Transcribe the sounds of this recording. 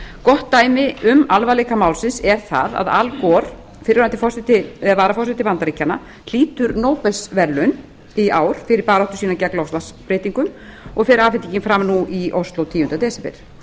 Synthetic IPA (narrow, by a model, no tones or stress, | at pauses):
kɔht̪ːaːjmɪʔʏmalvalɛːkamaːwlsɪnsɛɾ̥θa̰ða̰ða̰lkɔɾ̥ | fɪɾɪɾant̪ɪ̥fɔrsɛt̪ɪvaːɾafɔrsɛt̪ɪvant̪aɾiːcːanːa̰ | l̥iːt̪ʏɾnoːwpɛsvɛɾlʏn | iaːwɾ̥fɪɾɪɾpaːɾɔht̪ʏ̥siːnacɛklɔfslaspɾeːt̪iŋkʏmɔɣfɪɾaːfɪnt̪iɲcɪnfɾamnuʔiʔowst̪lowt̪ʰiːjʏnt̪at̪ɛːsɛpɛ̰ɾ̥